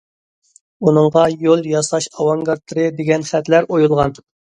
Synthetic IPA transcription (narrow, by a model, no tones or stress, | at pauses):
unɨɴʁɑjolˠjɑsɑʃɑwɑŋɡɑɾt̪ʰːɨɾɨd̪eɡʲɛnχæt̪læɾojulˠʁɑnt̪ʰɨp̚